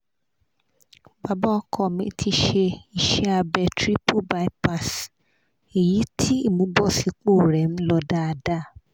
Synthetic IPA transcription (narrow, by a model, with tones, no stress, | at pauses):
ba˨ba˦kʰɔ˦˨mĩ˧tʰi˧ʃe˧i˨ʃe˦a˧bɛ˧tɾi˦pʰo˦ba˦i˦pa˨s | e˨ji˨˦tʰi˦i˦˨mũ˨˦bɔ˦˨si˧k͡po˦˨ɾɛ˨m̩˦lɔ˧da˦a˧˨da˦˨